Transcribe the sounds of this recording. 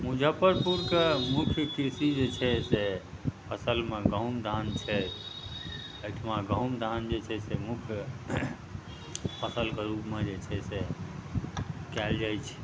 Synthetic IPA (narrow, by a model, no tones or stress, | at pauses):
mud͡ʒʱəpəɾpuɾkemukʰjkiɾsid͡ʒet͡ʃʰɛse | pʰəsəlmeɡə̃wmd̪ʱant͡ʃʰɛ | əʈʰmãɡə̃wmd̪ʱand͡ʒet͡ʃʰɛsemukʰj | pʰəsəlkeɾupmed͡ʒet͡ʃʰɛse | kɛld͡ʒajt͡ʃʰɛ̥